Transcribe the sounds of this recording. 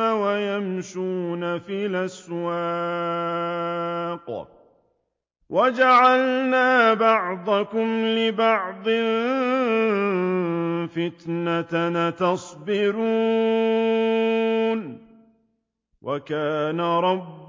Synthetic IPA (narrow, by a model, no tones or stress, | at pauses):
awajamʃuːnafɪlaswa | q | wʔad͡ʒaʕalnaːbɑʕd̪ˤɑkʊmlɪbɑʕd̪ˤɨ | fɪt̪nat̪nat̪ɑsˤbɪɾuː | n | wʔakaːnaɾˤɑbː